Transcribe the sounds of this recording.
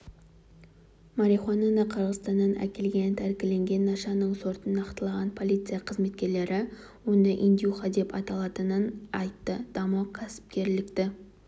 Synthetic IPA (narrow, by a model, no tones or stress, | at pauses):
mɑɾiχwɑnɑnɑqʰəɾʁəzst̪ɑnd̪ɑnʔæ̰kʲe̞lɡʲent̪ʰæɾkʲɪle̞ŋɡʲe̞nːɑʃɑnəɴso̞ɾt̪ənːɑqt̪ɑlˠɑʁɑnpʰo̞lˠijt̪sɨjaqʰəzme̞t̪kʲe̞ɾle̞ɾɪ | wo̞nd̪ɑʔind̪ʲijuχɑd̪e̞pɑt̪ɑlˠɑt̪ənənɑjt̪ːəd̪̥ɑmɑkʲʰæsɪ̥p̚kʲe̞ɾlɪkt̪ɪ